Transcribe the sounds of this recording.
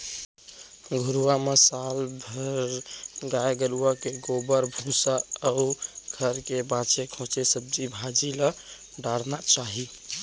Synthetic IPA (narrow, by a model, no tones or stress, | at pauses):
ɡʱuɾuwamesalbʱəɾɡaeɡəluakeɡobəɾbʱũsaːuɡʱəɾkebãt͡ʃekʰõt͡ʃesəb̚d͡ʒibʱad͡ʒilə | ɖaɽnat͡ʃaɦi